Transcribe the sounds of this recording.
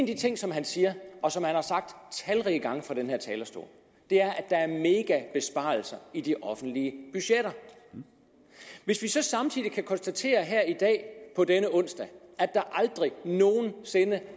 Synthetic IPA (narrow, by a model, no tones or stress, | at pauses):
enæd̥it͡sʰe̝ŋ̰sɒ̽mɦænsiːɐɒ̽sɒ̽mhænhɑ̈sɑ̈ɡ̥̚d̥t͡sʰælʁiəɡ̥ɑ̈ŋ̰fɑ̈ɾ̥enɦeɐt͡sʰɛːlɐsd̥o̝̰ɐ̰ | d̥e̝æɐʔæd̥ɑ̈æɐme̝ːɡ̥æb̥e̝sb̥ɑ̰̈ːl̩sɐid̥iʔɒ̽fn̩d̥liəb̥yɕeɾ̥ɐ | ʋe̝sʋisɒ̽sɑ̈mt͡sʰḭð̰ˠikʰækʰɒ̽nsd̥æt͡sʰe̝̰ːɐɦæɐ̰id̥ɛ̰ːpʰɒ̽denəɔ̽n̰sd̥ɛæd̥ɑ̈ʔɑ̈ld̥ʁino̝ːn̩se̝nə